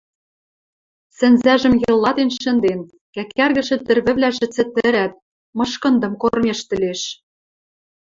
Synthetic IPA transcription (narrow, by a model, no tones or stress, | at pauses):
sɘ̆nzæʒɘ̆mjɤ̆lːɑt̪enʃɘ̆nd̪en | kækærɣɘ̆ʃɘ̆t̪ɘ̆rβɘ̆βlæʒɘ̆t͡sɘ̆t̪ɘ̆ɾæt̪̚ | mɤ̆ʃkɤ̆nd̪ɤ̆mkormeʃt̪ɘ̆leʃ